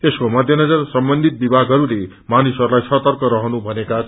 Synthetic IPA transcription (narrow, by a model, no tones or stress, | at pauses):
t̪eskomʌd̪ʱjʌnʌd͡zʌrsʌmbʌnd̪ʱit̪̚bibʱaɡɦʌɾule | manisɦʌɾulajsʌt̪ʌrkʌɾʌɦʌnubʱʌneka